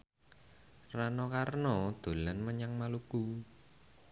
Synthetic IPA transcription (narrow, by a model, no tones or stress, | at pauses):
ranɔkarnɔd̪̥o̤lanməɲaŋmaluku